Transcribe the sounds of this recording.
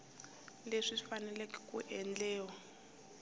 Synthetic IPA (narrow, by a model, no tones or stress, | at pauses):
leʂifanɛlɛki̥kʼuʔɛnd͡ɮɛːwa